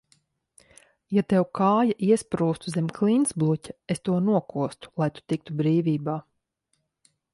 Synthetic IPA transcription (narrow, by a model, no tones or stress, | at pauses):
jat̪ɛwkʰaːjaʔiɛspɾuːst̪uzʲɛmʲkʰlˠinsblˠucʲaest̪uɔnuɔkuɔst̪u̥lˠajt̪u̥t̪ik̚t̪ubɾiːviːbaː